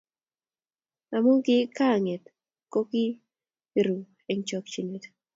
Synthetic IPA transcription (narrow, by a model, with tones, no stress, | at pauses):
a˨mu˦ŋɡɪ˦ka˦˨ŋe˨t̪ | ko˦ki˦ | ɾu˨ | e˨ŋt͡ʃɔ˨kt͡ʃi˨ne˨t